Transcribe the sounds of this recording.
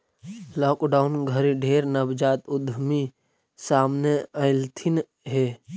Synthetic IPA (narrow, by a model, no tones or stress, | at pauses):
lɔːkɖaːʊnɡʱəɾiɖʱeːɾnɐbd͡ʒaːt̪ʊd̪ʱmi | saːmneəɪlt̪ʰɪn | ɦeː